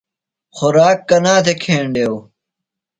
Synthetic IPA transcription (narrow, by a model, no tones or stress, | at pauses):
xʊɾaːkːɐnaːt̪ekʰeːɳɖew